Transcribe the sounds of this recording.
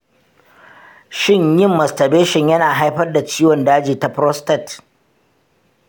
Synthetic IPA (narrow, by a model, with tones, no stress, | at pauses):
ʃɪ˦˨ɲjɪ˦˨mːɐ˨stɐ˨beː˦ʃɪ˨ɲjɐ˦naː˨ɦa˦jɸɐ˦rda˨t͡ʃiː˦wɔ˨ndaː˦d͡ʒiː˨ta˨pɾɔ˦stɐ˨t